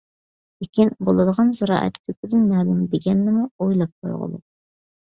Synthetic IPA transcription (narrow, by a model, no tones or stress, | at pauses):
lekʲinbolˠɨd̪əʁɑnzɑɾɑ̰ːʔɛ̰t̪k̪ʰykʲyd̪ɪnmɛːlˠumd̪eɡʲɛnːɪmuojlˠɑp̚qʰo̰jʁʊ̰lˠṵ